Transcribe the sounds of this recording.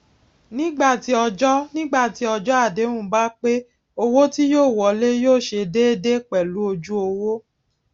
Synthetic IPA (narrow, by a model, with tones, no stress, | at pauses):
nĩ˦ɡ͡ba˦˨ti˨˦ɔ˧d͡ʒɔ˦nĩ˦ɡ͡ba˦˨ti˨˦ɔ˧d͡ʒɔ˦a˦˨dẽ˨˦ũ˦˨˦ba˦k͡pe˦ | o˧wo˦ti˦joː˦˨wɔ˨le˦joː˦˨ʃe˧de˦e˦de˦k͡pɛ˨lu˨˦o˧d͡ʒu˦o˧wo˦